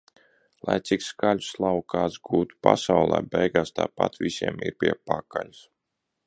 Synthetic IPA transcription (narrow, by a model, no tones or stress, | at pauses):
lˠajt̪sikskaʎʲuslˠawkaːsɡuːt̪u̥pa̰sawlˠɛ̰ːbɛjɡaːst̪a̰ːpa̰t̪visiɛmḭɾpʲiɛpakalus